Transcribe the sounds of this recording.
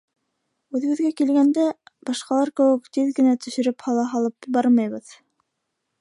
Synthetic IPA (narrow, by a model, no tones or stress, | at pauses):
ʉðɘ̆ɡɘ̆ðɡækilɡænd̪æbɑʃqɑlˠɑɾkɘ̆wɘkt̪iðɡɘ̆næt̪ɵ̆ʃɘ̆ɾɘphɑlˠɑɦɑlˠɤpbɑɾmɑjβɤð